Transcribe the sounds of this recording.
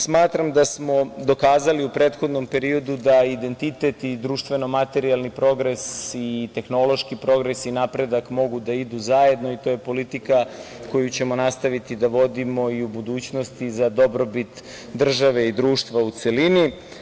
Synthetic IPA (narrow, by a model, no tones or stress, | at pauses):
smaːt̪ɾamd̪asmo̞d̪o̞kaːzaliupɾeːt̪xo̞d̪no̞mpe̞ɾio̞d̪ud̪aid̪e̞nt̪it̪et̪id̪ɾuːʃt̪ʋe̞no̞mat̪e̞ɾialˠnipɾo̞ɡɾesit̪e̞xno̞lo̞ʃkipɾo̞ɡɾesinapɾe̞d̪akmo̞ɡud̪aid̪uzaje̞d̪no̞it̪o̞ːje̞po̞lit̪ikako̞jut͡ɕe̞mo̞nast̪aʋit̪id̪aʋo̞d̪imo̞iubud̪uːt͡ɕno̞st̪izad̪o̞bɾo̞bit̪ | d̪r̩ʒaʋe̞id̪ɾuːʃt̪ʋaut̪se̞lini